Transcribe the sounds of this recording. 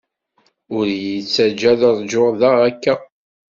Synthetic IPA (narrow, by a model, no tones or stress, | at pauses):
ʊɾjit͡sːæd͡ʒːæðəɾˤd͡ʒʊʁðaʁækːæ